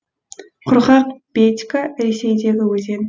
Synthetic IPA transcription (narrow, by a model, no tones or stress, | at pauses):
qʰʊɾʁɑqb̥et̪ʲkaɾe̞se̞jd̪e̞ɡʲɪwɵze̞n